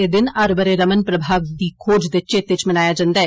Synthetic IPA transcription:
ed̪ɪnɐɾbəɾeɾəmənpɾəbʱaːʋd̪iːkʰoːd͡ʒd̪et͡ʃeːt̪ɪt͡ʃmɪnaːjaːd͡ʒãːnd̪aːɛ

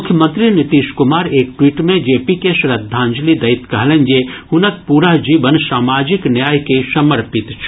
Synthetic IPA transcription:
ʊkʰjəmə̃nt̪ɾinɪt̪iːʃkʊmaːɾeːk̚ʈwiːʈmẽd͡ʒeːpikeʃɾɐd̪ʱːãːɲd͡ʒlid̪ɐɪt̪kɐɦlẽnd͡ʒehʊnət̪̚puːɾaɦd͡ʒiːʋənsaːmaːd͡ʒɪknjaːjkesɐməɾpɪt̪t͡ʃʰ

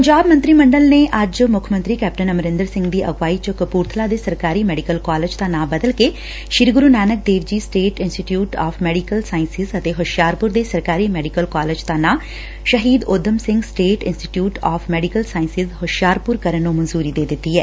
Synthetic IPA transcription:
pəɲd͡ʒaːbmə̃nt̪ɾiːməɳɖəlneːʔəd͡ʒmʊkʰmə̃nt̪ɾiːkɛːp̚ʈənəməɾɪ̃nd̪əɾsɪ̃ŋɡd̪iːʔəɡʋaːit͡ʃəkəpuːɾt̪ʰlaːd̪eːsəɾkaːɾiːmɛːɖikəlkaːled͡ʒt̪aːnãːbəd̪əlke | ʃiɾɡʊɾuːnaːnək̚d̪eːʋd͡ʒiːsʈeːʈɪnsʈiʈjuːʈɔːpʰmɛːɖikəlsaːɪnsɪzət̪eɦʊʃjaːɾpʊɾd̪eːsəɾkaːɾiːmɛːɖikəlkaːled͡ʒt̪aːnãː | ʃəɦiːd̪oːd̪əmsɪ̃ŋɡsʈeːʈɪnsʈi̥ʈjuːʈɔːpʰmɛːɖikəlsaːɪnsɪzhʊʃjaːɾpʊɾkəɾənːũːmənzuːɾiːd̪eːd̪ɪt̪ːiːɦɛː

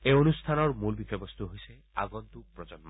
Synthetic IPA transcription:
eonust̪ʰanɔɾmulbikʰɔjbɔst̪ʰuɦojse | a̰ɡɔnt̪uk̚pɾɔd͡ʒɔnmɔ

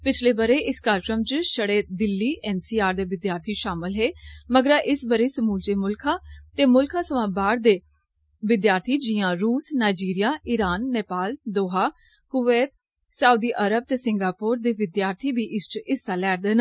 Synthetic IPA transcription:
pɪt͡ʃʰleːbəɾeːɪskaːɾkɾəmd͡ʒəʃəɽeːd̪ɪlːiːʔɛːnsiːaːɾd̪eːʋɪd̪jaːɾt̪ʰiːʃaːmɪlɦeːməɡɾaːʔɪsbəɾeːsəmuːlt͡ʃeːmʊlkʰãːt̪eːmʊlkʰãːsəʋãːbaːɽd̪eː | ʋɪd̪jaːɾt̪ʰiːd͡ʒɪjãːɾuːsnaːɪd͡ʒiːɾɪjaːɪɾaːnːeːpaːld̪oːɦaː | kʊʋeːt̪ | saːud̪iːʔəɾəb̚t̪eːsɪŋɡaːpoːɾd̪eːʋɪd̪jaːɾt̪ʰiːbiːʔɪst͡ʃɪst̪aːlɛːɾd̪eːna

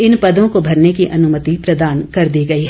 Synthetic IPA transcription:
ɪnpɐd̪õkobʱɐɾnekiʔɐnʊmət̪ipɾɐd̪aːnkɐɾd̪iːɡɐiɦ

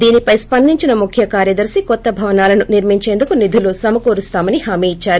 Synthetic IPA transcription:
d̪iːnipɐjspɐnd̪iɲt͡ʃinɐmukʰjɐkaːɾjɐd̪ɐɾsikɔt̪ːɐbʱɐʋɐnaːlɐnuniɾmiɲt͡ʃe̞ːnd̪ukunid̪ʱuloːsɐmɐkoːɾust̪aːmɐniɦaːmiːit͡ʃːaːɾu

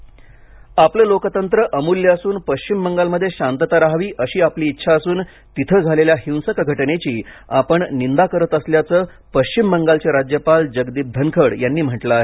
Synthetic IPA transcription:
apləlokət̪ənt̪ɾəʔəmuljəəsuːnpəɕt͡ɕimːəŋɡalməd̪ʱːjeɕant̪ət̪aɾaɦʋiːʔəɕiːapliːtːɕʰaːsuːn | t̪it̪ʰəd͡zʱaleljaɦĩw̃səkɡʱəʈnet͡ɕiːa̰pəɳnind̪akəɾət̪əsljat͡səː | pəɕt͡ɕimːəŋɡalt͡seɾad͡ʑjəpald͡ʑəɡd̪ib̚d̪ʱənkʰəɽjanːiːm̤əʈlaaɦe

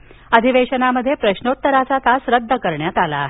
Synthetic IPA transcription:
əd̪ʱiʋeɕənaməd̪ʱːjepɾəɕnot̪ːəɾat͡sat̪asɾəd̪ʱːəkəɾɳjat̪alaːɦe

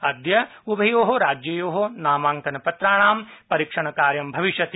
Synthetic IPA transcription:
ɐd̪jɐubʱɐjoːɦoɾaːd͡ʒjɐjoːɦonaːmaːŋkɐnɐpɐt̪ɾaːɳaːmpɐɾikʂɐɳɐkaːɾjɐmbʱɐʋiʃjɐt̪i

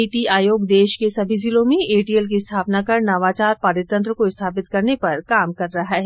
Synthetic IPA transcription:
it̪iaːjoːɡd̪eːʃkesɐbʱizilõmẽeːʈiːɛlk̬iɪst̪ʰaːpnakɐɾnɐʋaːt͡ʃaːɾpaːɾɪt̪ːɐ̃nt̪ɾəkoɪst̪ʰaːpɪt̪kɐɾnepɐɾkaːmkɐɾːɐɦaɦɛː

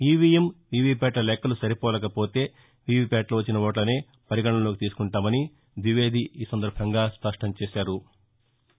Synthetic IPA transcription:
iːʋijemʋiːʋiːpɛːʈlɐlɛkːɐlusɐɾipɔːlɐkɐpo̞ːt̪e̞ː | ʋiːʋipɛːʈlɐʋɐt͡ʃːinɐʋoːʈ̬lɐne̞ː | pɐɾiɡɐɳɐmlo̞ːkit̪iːsu̥kuɳʈaːmɐni | ʋ̪ʋiʋe̞ːd̪ʱiiːsɐnd̪ɐɾbʱɐŋɡaːspɐʂʈɐmt͡ʃeːʃaːɾu

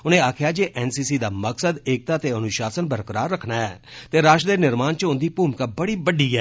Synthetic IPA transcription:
ʊnẽːaːkʰjaːd͡ʒeːʔɛːnsiːsiːd̪aːməksəd̪eːk̚t̪aːt̪eːənʊʃaːsənbəɾkəɾaːɾːəkʰnaːɛːt̪eːɾaːʃd̪eːnɪɾmaːnt͡ʃəʊ̃nd̪iːpuːmkaːbəɽiːbəɖiːɛː

